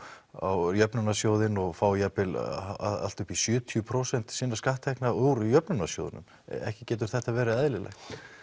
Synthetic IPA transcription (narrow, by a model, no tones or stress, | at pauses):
a̰wjœpnʏnasjoːwðɪnɔɣfaːwjapɪla̰ða̰l̥t̪ʏhpisjʏːt̪ʰjʏpʰɾowsɛn̥t̪sɪnːaskaht̪ʰːɛhknauɾʏjœpnʏnasjo̰wðɪ̰nʏ̰m | ɛ̰hcɪcɛːt̪̬ʏɾ̥θɛht̪avɛːɾɪɛːðlɪlɛ̰xt̪